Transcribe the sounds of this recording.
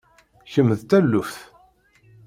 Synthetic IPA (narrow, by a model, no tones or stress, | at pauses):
çəmːðt̪ælːufθ